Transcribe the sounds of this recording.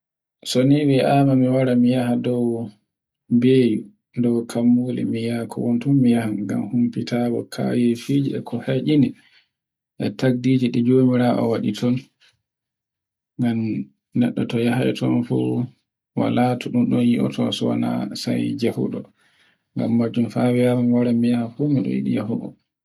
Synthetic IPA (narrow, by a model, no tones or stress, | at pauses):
soniwɛʔamamiwaɾamijahadɔw | beːju | ndɔwkʰamːulɛ̰mijakʰɔwɔntunmijahanɡa̰mhumpitabɔkʰa̰wifid͡ʒiɛkʰɔhaʔini | ʔɛtaɡ̚diːd͡ʒiɗid͡ʒoːmiɾaʔɔ̰waɗitʰɔn | ŋɡam | nɛ̰ɗːɔtɔjaɦajtʰɔnfṵ | wa̰latuɗunɗɔnjiʔɔ̰tʰɔsɔwana̰sa̰jd͡ʒahṵɗɔ | ŋɡa̰mːad͡ʒumfawɛjaɾnwaɾɛmijahafumiɗɔ̰jḭɗḭjahuɗɔ̰